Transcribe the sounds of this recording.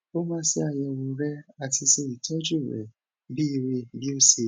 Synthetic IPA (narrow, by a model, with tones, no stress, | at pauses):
o˦mã˦si˦a˧˨jɛ˧wo˧ɾɛ˦a˧ti˧se˧i˨tʰɛ˦d͡ʒu˦˨ɾɛ̰˨ | bi˦i˧ɾe˧bi˦o˦se˧